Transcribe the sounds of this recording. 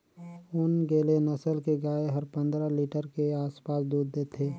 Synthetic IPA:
ʊnɡeːlenəsəlkeɡaːeɦəɾpə̃nd̪ɾəliːʈəɾkeaːspaːsd̪uːd̪d̪eːt̪ʰeː

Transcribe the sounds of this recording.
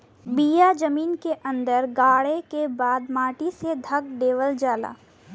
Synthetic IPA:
biːjad͡ʒɐmiːnkeʔɐ̃nd̪əɾɡaːɽekebaːd̪maːʈised̪ʱɐk̚ɖeːʋəld͡ʒaːla̰ː

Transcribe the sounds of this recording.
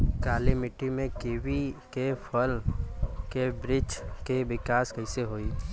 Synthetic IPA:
kaːlimɪʈːimẽkeːʋikepʰəl | kebɾɪd͡ʒkeʋɪkaːskɐɪseɦoːiː

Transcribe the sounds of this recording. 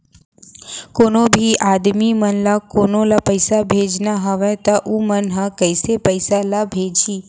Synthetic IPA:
konobʱiʔad̪mimənlakonolapəjsabʱed͡ʒnaɦəʋet̪aʔũmənɦãkəjsepəjsalabʱed͡ʒi

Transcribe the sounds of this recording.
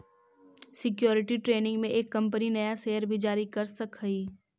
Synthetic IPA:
sɪkjoːɾɪʈiʈɾeːnɪ̃ŋɡmẽʔeːkːɐ̃mpəninɐjaseːəɾbʱid͡ʒaːɾikɐɾsɐkəiː

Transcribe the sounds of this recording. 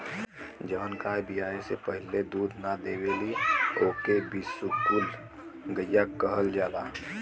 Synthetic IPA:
d͡ʒəʋənkaːjbijaːesepəɦɪled̪uːd̪ʱnad̪ebelioːkebisukul | ɡəjjakəɦəld͡ʒaːd̪a̰

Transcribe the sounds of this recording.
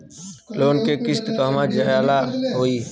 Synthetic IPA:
loːnkekɪst̪kaːmãd͡ʒajaːlaɦoːiː

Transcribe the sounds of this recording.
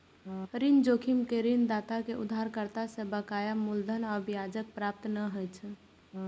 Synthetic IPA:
ɾind͡ʒokʰimkeɾind̪at̪akeʔud̪ʱːaɾkəɾt̪asẽbəkajamuld̪ʱənəbijad͡ʒək̚pɾap̚t̪nəɦəjt͡ʃʰ

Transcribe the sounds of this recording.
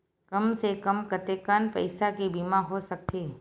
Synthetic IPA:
kɐmsekəmkət̪eːkaːnpɐɪsakebiːmaɦosɐk̚t̪ʰeː

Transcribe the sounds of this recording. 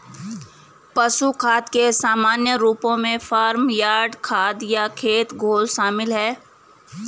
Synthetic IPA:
pɐʃukʰaːd̪kesaːmaːnjəɾuːpõmẽfʰaːɾmjaːɖkʰaːd̪jakʰeːt̪ɡʱoːlʃaːmɪlɦɛː

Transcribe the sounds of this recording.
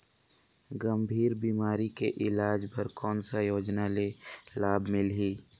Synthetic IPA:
ɡəmbʱiːɾbiːmaːɾikeʔɪlaːd͡ʒpɐɾkɔːnsajoːd͡ʒnalelaːbmɪlɦiː

